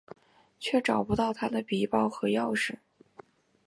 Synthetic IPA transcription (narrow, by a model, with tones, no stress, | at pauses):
t͡ɕʰɥɛ˥˩ʈ͡ʂɑ˨˩ʊpu˥t̪ɑ˥˩ʊt̪ʰa˥d̪ə˨pi˨˩pɑ˥˩ʊxɤ˧˥jɑ˥˧ʊʂɻ̩˥˩